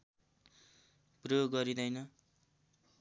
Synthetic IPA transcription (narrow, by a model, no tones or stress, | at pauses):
proɡʌɾid̪ʌjnʌ